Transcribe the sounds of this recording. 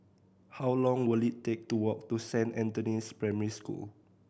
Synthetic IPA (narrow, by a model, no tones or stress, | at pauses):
hawlɔ̃ŋwilittek̚tuwɔk̚tusɛ̃nɛ̃ntunispɹamɛɹiskṵl